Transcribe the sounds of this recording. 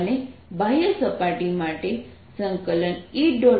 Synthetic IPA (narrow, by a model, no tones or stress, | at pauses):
nebʱajəsəpaʈimaʈe | səŋkələniʈ̚ɖo